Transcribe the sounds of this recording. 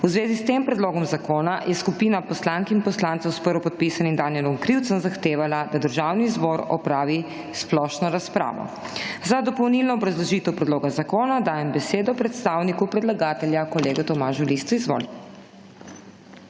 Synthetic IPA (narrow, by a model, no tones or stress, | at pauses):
uzʋeːzist̪empɾɛd̪loːɡɔmzakoːnajʔɛskupiːnapɔslaŋkinpɔslant̪sɛwspəɾʋɔpɔt̪̚pisanimd̪aniɛlɔmkɾiwt̪sənzaxt̪eːʋalad̪ad̪əɾʒaːwniːzbɔɾɔ̰pɾaːʋi | splɔʃnɔɾaspɾa̰ːʋɔ̰ | zad̪ɔpɔwnilnɔːbɾazlɔʒiːt̪ɛwpɾɛd̪loːɡazakoːnad̪aːjɛmbɛseːd̪ɔpɾɛt̪st̪awnikupɾɛd̪laɡaːt̪ɛljakɔleːɡɛt̪ɔmaːʒulist̪uizʋo̰l